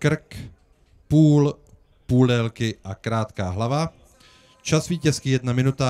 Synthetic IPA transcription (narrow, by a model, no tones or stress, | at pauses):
kr̩k | puːl | puːldɛlkɪʔakɾaːt̪kaːɦlava | t͡ʃasviːcɛskijɛdnamɪnut̪a